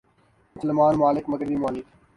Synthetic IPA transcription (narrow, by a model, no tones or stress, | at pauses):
slɪmaːnmaːlɪkmɐɡɾbiːmaːlɪk